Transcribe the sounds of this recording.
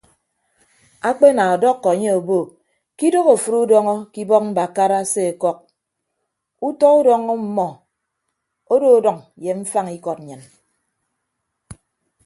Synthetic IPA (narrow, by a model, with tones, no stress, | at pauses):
a˦k͡pe˦na˨ɔ˨dɔ˦kːɔ˨a˨ɲe˦o˨bo˦˨ | ki˦do˦ɣo˨fu˦ɾu˦dɔ˦ŋɔ˦ki˦bɔ˦k̚m̩˦ba˨ka˦ɾa˦se˦e˨kɔ˦k̚ | u˦tɔ˦u˦dɔ˦ŋɔ˦m̩˦mɔ˨ | o˦do˦o˦dɔ˨ŋ | je˨ɱ̩˦fa˦ŋi˦kɔ˨t̚ɲɨ˨n